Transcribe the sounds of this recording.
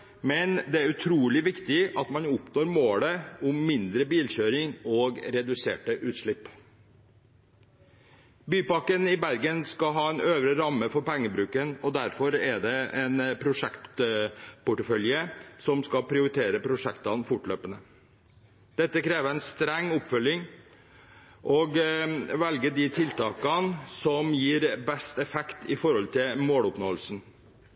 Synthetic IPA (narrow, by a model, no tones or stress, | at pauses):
mɛnd̪ɛæɾʉt̪ʰɾuːlɪʋɪkt̪ɪʔɑt̪mɑnʊpnoːɾmoːləʊmːɪnd̪ɾəbiːlɕøːɾɪŋoːɡɾɛd̪ʉsḛːʈəʔʉːt̪ʂɭɪpː | byːpɑkənɪbæɾɡənskɑɦɑːɛnøːʋɾəɾɑmːəfɔɾpɛŋːəbɾʉːkənɔd̪æɾfɔɾæɖɛɛnpʰɾʊʂɛkt̪t̪pʊʈəfœljəsɔmskɑpʰɾɪʊɾɪt̪ʰeːɾəpʰɾʊʂɛkt̪ɑnfʊʈɭøːpənə | d̪̥ɛt̪ːəkʰɾeːʋəæɪnst̪ɾɛŋːʊpfœlɪŋ | ʔɔɡʋɛlɡəɖ̪ɪt̪ʰɪlt̪ʰɑːkɑnsɔmjiːɾbɛst̪ɛfɛkt̪ʰɪfɔɾhɔlt̪ʰɪlmoːlʊpnoːəlsn̩